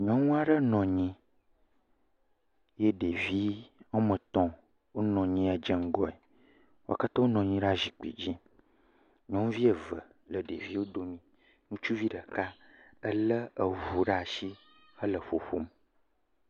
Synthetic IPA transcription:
ɲɔ̃˦ŋũ˦a˦ɖə˦nɔ̃˨ɲĩ˦ | je˦ɖe˨vi˦ŋɔ̃˦mə̃˨t̪ɔ̃˦ | wo˦nɔ̃˨ɲĩ˦a˨d͡ʒə˦ŋ̩˦ɡɔ˦e˨ | wo˦˨a̰˨ka˦t̪ã˦wo˦nɔ̃˨ɲĩ˦ɖa˦ʒi˨k͡pḭ˨d͡ʑĩ˦ | ɲɔ̃˦ŋ̃˦vi˦e˨və̰˨ | lə˨ɖḛ˨vi˦wo˦d̪o˦mĩ˨ | nũ˦t͡ʃu˦vi˦ɖə˨ka˦ə˦lə˦ə˨ɦu˨ɖə˦a˨ʃi˦ | hə˦lə˨ɸo˨ɸo̰˦m

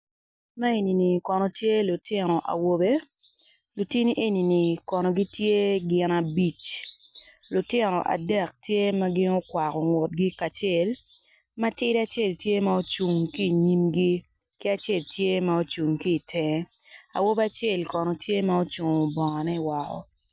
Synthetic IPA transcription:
ma˦e˨ni˨ni˨kɔ˨nɔ˨tje˦lʊ˨tʰɪ˦nɔ˨ʔa̰˨wo˦be˦ | lu˨ti˦ni˦ʔe˦ni˨ni˨kɔ˨nɔ˨ɡi˦tje˦ɡɪ˨na˨bi˦t͡ʃ | lʊ˨tɪ˦nɔ̰˨ʔa̰˨dɛ˦˨k̚tje˦ma˦ɡɪ˦no˦kwa˨kɔ˨ŋwɔ˨t̚ɡi˦ka˨t͡ʃɛ˦˨l | ma˦tɪ˦ɾa˦t͡ʃe˦˨ltje˦ma˦o˦t͡ʃu˨ŋki˦˨ɲi˦mɡi˦ | kɪ˦a˦˨t͡ʃe˦˨ltje˦ma˦o˦t͡ʃu˨ŋkiː˦˨tʰɛ˨˦a̰˨wo˦be˦a˨t͡ʃɛ˦˨lkɔ˨nɔ˨tje˦ma˦o˦t͡ʃu˨ŋo˨bɔ˨ŋa˨nɛ˦i˨wa˨kɔ̰˨

